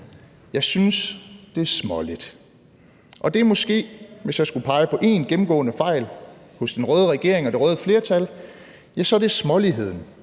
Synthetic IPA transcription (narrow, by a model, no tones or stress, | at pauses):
jɑ̈ɪsynsd̥e̝æɐsmɒ̽lid̥ | ʔɒ̽d̥e̝mɒ̽sɡ̥e̝̰ːʋe̝sjɑ̈ɪsɡ̥upʰɑ̈ɪəpʰɒ̽ʔe̝ːnɡ̥em̩ɡ̥ɔ̰ːnəfɑ̈ɪ̰l | hɔ̽sd̥enʁœːð̞ˠəʁaɡ̥e̝ɐe̝ŋɒ̽d̥e̝ʁœːð̞ˠəfle̝ːɐt͡sʰæl | jæsɒ̽ɾ̥e̝smɒ̽liɦe̝ð̞̰ˠn̩